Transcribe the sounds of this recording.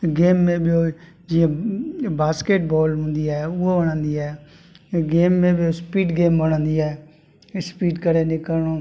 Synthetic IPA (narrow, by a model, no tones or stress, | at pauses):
ɡeːmːẽːboː | d͡ʒɪjãːbaːskeːʈ̚bɔːlɦʊ̃nd̪iːɛːʊobəɽə̃ːnd̪iːɛː | ɡeːmːẽːbɪoːspiːɖɡeːmbəɽ̃ə̃ːnd̪iːɛː | spiːɖkəɾeːnekəɾɳoː